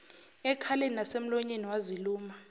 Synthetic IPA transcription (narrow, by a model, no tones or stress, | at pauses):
ɛkʰaleninasem̩lɔɲeniwaziluːma